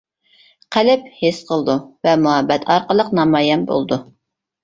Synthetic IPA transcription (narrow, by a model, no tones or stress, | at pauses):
qʰælɪp̚hesqʰəlˠd̪uvɛmuɦɛbːɛt̪ʰɑɾqəlˠəqnɑmɑːjɛmbo̰lˠd̪u